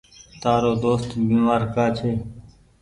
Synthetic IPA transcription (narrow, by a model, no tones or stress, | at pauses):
t̪aːɾoːd̪oːst̪biːmaːɾkaːt͡ʃʰeː